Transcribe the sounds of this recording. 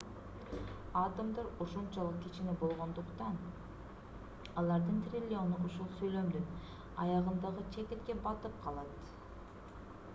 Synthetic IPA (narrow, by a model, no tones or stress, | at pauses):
ɑt̪əmd̪ɑɾoʃont͡ʃɑlˠɯq̚kʲit͡ʃinebo̞lˠʁo̞nd̪ʊqt̪ɑn | ɑlˠɑɾd̪ɯnt̪rʲilʲːo̞nuuʃulˠsøjlø̞md̪yn | ɑ̰jɑʁɯnd̪ɑʁɯt͡ʃʰet̪et̪ke̞bɑt̪ɯp̚qʰɑlˠɑt̪